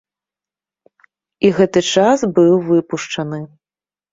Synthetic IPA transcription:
iɣɛt̪ɨt͡ʂasbɨwvɨpuʂt͡ʂɐnɨ

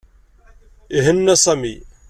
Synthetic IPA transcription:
iɦənːæsˤæmḭ

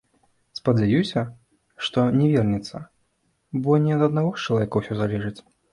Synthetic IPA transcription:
spɐd͡zʲajusʲɐ | ʂt̪ɔnʲɛvʲɛrnʲɛt̪sːɐ̰ | bɔnʲɛɐd̪ɐd̪naɣɔxt͡ʃɐlˠavʲeɛkɐwsʲɔzalʲɛʐɨt͡sʲ

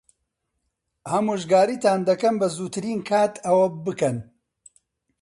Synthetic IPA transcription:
hɐmuːʒɡaːɾiːt̪aːnd̪ɐkɐmbɐzuːt̪ʰɨɾiːnkʰaːt̪ʰɐwɐbɨkɐn

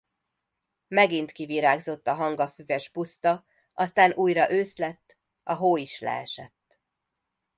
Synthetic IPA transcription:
mɛɡint̪kiviɾaːɡzo̞t̪ːɒɦɒŋɡɒfyvɛʒbust̪ɒ | ʔɒst̪aːnʔuːjɾɒʔøːslɛt̪ː | ɒɦoːiʃlɛ̰ɛ̰ʃɛt̪ː

